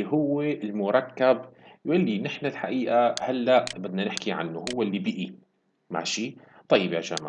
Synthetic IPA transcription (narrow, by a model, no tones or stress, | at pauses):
ɦʊwːeɪlmʊɾˤɑkːabjʔalːinɪħnalħaʔiːʔahalːaʔbɪd̪nanɪħkiʕa̰nːuɦʊwːɪlːibɪʔi | ma̰ʕʃiː | t̪ˤɑjːɪbjaʒa̰ma̰